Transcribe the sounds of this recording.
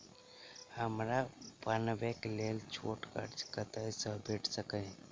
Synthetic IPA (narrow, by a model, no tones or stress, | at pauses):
həmɾapanbeklelt͡ʃʰoʈkə̰ɾt͡ʃkət̪əjsə̃bʱeʈʰsəkəj